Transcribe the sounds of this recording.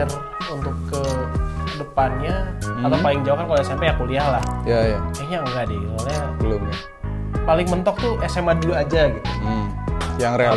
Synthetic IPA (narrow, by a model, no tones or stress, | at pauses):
ər | unt̪ʊkːə | dəpanɲaatt̪awpalɪŋd͡ʒauhkankaljasampɛjakuliahlahjajakaɲaŋəɡadiɡiukalabəlʊmɲa | palɪŋmənt̪ɔk̚t̪uesemaduad͡ʒaɡit̪u | jaŋɾea